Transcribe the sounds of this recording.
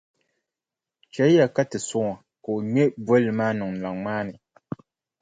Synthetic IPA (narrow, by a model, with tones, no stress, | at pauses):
t͡ʃɛ˦ja˨ka˦tɨ˨sʊ˦ŋa˨ | ka˨o˨ɲɛ˦bwɔ˦lɨ˨maː˦nɨ˨ŋ˨la˨ŋmaː˦nɨ˨